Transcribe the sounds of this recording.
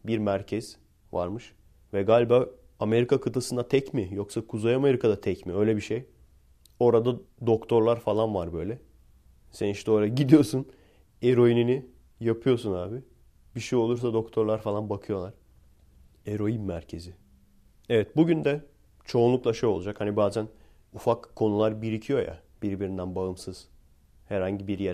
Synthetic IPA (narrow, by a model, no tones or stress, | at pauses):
biɾmæɾcʰɛz̥ | va̰ɾmɯʃ | vɛɡaːlʲbaː | ame̞ɾikʰakʰɯt̪ʰasɯnd̪at̪ʰɛcmijo̞ksakʰuzajame̞ɾikʰad̪at̪ʰɛcmiø̞jlʲɛbiʃej | o̞ɾad̪a | d̪o̞kt̪ʰo̞ɾlˠaɾfalˠanvaɾbø̞jlʲɛ | sɛniʃt̪ʰɛoːɾaɟid̪ijo̞sun | eɾo̞inini | japʰɯjo̞sunaːbɪ | biʃijo̞lˠuɾs̬ad̪o̞kt̪ʰo̞ɾlˠaɾfalˠanbakʰɯjo̞lˠaɾ̥ | eɾo̞jinmæɾcʰe̞zɪ | evɛt̪̚buɟynd̪ɛ | t͡ʃʰo̞ːnlˠuklˠaʃejo̞lˠud͡ʒakhanibaːzæn | ufakkʰːo̞nulˠaɾbiɾicʰijo̞ja̰ | b̥iɾbiɾind̪ænbaɯmsɯz̥ | hæɾhaɲɟibiɾjæ